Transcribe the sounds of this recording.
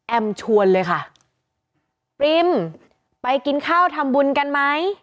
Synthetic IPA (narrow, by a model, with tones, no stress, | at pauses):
ʔɛ˧˩mt͡ɕʰu˧ənlɤː˧jkʰa˥˩ʔ | pɾi˧m | pa˧jki˧nkʰaː˥˩wt̪ʰa˧mbu˧nka˧nma˦˥j